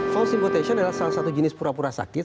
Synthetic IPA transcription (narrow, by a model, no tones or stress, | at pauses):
fɔlsĩmpɔt̪ɛʃɔ̃nɛlasalasat̪ud͡ʒinispuɾapuɾasa̰ki